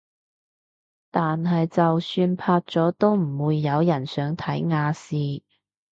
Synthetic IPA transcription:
t̪aː˨nɦɐ˨jt͡sɐ˨wsyː˧npʰaː˧t̚t͡sɔː˨˥t̪o˥wm̩˨˩wuː˨˧jːɐ˨˧wjɐ˨˩nsœː˨˥ŋt̪ʰɐ˨˥jŋaː˧siː˧

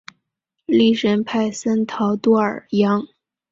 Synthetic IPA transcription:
li˥˩ʂə˧˥˩npʰa˥˩ɪsə˥nt̪ʰɑ˧˥ʊt̪wɔ˥˩ə̰˞˨˩jɑ˧˥ŋ

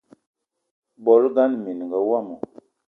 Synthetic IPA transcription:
bo˨˦lɡa˦nmi˨n˨ŋɡa˨wa˦˨mu˨

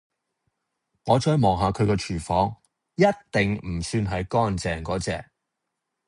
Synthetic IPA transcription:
ŋɔː˨˧t͡ʃɔː˧˥jmɔː˨˩ŋɦaː˨˧kʰɵ˨˧ɥkɛː˧t͡ʃʰyː˨˩fɔː˨˥ŋ | jɐ˥t̚t̪ɪ˨ŋm̩˨˩syː˧nɦɐ˨jkɔː˥nt͡sɛː˨ŋkɔː˨˥t͡sɛː˨k̚

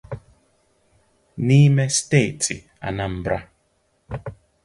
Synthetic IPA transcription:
ni˦mɛ˦ste˦˨tʰḭ˨ | a̰˨na˦m̩˨bɾa˦

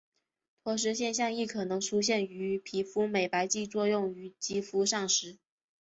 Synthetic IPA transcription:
t̪ʰwɔ˧˥ʂ̬ɻ̩˧˥ɕjɛ˥˧nɕjɑ˥˧ŋi˥˩kʰɤ˨˩nɤ˧˥ŋʈ͡ʂʰu˥ɕ̬jɛ˥˩ny˧˥pʰi˧˥fu˥me˨˩ɪpa˧˥ɪt͡ɕi˥˧t͡swɔ˥˧jʊ˥˩ŋy˧˥t͡ɕi˥fu˧˥ʂɑ˥˩ŋʂɻ̩˧˥

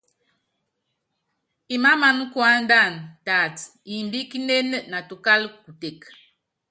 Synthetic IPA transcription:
i˨ma˦ma˨n˦kwa˦n˦da˦˨nta˨ti˨mbi˦ki˦ne˦nə˦na˨tu˨ka˦lku˨te˨k

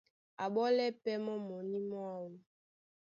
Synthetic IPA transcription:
a˨ɓɔ˦lɛ˦pɛ˦mɔ˦mɔ˨ni˦mɔ˦a˦wu˨nu˨

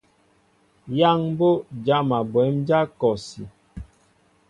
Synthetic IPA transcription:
ja˦ŋ˦bo˦d͡ʒa˦ma˨bwɛ˨˦md͡ʒa˦kɔ˨si˨

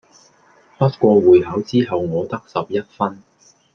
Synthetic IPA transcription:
hɐ˥t̚kʷɔː˧wuː˨jɦɐ˨˥wt͡siː˥ɦɐ˨wŋɔː˨˧t̪ɐ˥k̚sɐ˨p̚jɐ˥t̚fɐ˥n

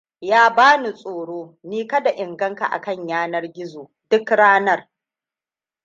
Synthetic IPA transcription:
jaː˦baː˦nu˨sʼoː˨ɽoː˦niː˦kɐ˦da˨ʔɪ˨ŋɡɐ˦ŋka̰˨ʔa̰˨kɐ˦˨ɲjaː˦nɐ˦rɡʲɪ˦zoː˨ | d̥ʊ˦kɽaː˦nɐ˦˨r

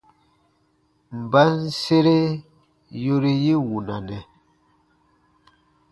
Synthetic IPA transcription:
m̩˨ba˦n̩˦se˦ɾe˦ | jo˦ɾi˦ji˦wu˨na˨nɛ˨

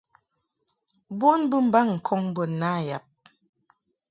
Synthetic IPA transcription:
bwɔ˦nbə˦m̩˨ba˦˨ŋŋ̩˨kʰɔ˦ŋ˦bə˨nːa˦˨ja˨p̚

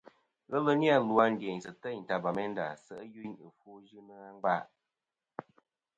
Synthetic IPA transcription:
ɣə˦lə˦ni˦a˦˨lu˨˦a˧n̩˦de˨ɲ˨sɨ˨tə˦˨n̩˨ta˨ba˨mɛ˦n̩˦da̰˨sə˦˨ʔə˦ju˦ɲɨ˨fu˦ʒɨ˦nɨ˦a˦ŋ˦ɡ͡ba˦˨ʔ

